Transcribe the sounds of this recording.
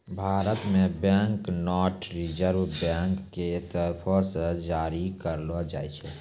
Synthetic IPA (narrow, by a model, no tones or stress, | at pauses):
bʱaːɾət̪mẽbɛ̃ːŋknɔːɾʈʰɾɪd͡ʒəɾwbɛːŋkːet̪əɾpʰɔsed͡ʒaːɾikəɾlod͡ʒa̰ːɛt͡ʃʰɛ